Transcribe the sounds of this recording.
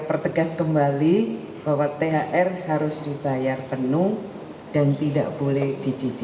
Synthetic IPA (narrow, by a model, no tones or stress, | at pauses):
pərt̪əɡaskəmbali | b̥awat̪eɦaʔɛrhaɾʊsd̥ibajarpənu | d̥ant̪ida̰ʔb̥olɛhdit͡ʃid͡ʒi